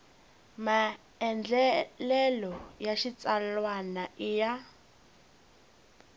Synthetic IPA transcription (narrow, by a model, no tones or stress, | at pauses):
ma | ɛnd͡ɮɛlɛlɔjaʃit͡sʼalwanaʔija